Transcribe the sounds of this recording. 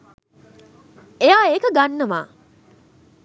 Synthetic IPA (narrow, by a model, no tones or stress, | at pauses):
ejaːekəɡanːɐma̰ː